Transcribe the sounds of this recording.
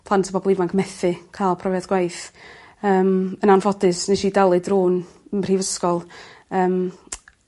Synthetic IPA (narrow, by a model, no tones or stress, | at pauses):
pʰl̥ˠantʰə̥bɔbɔlˠivaŋkʰmɛθɨkʰaːlˠpʰrɔvjadɡ̥wajθ | əːmənanvɔdɨsneʃidalˠɨdruːnənr̥iːvəskɔlˠəːm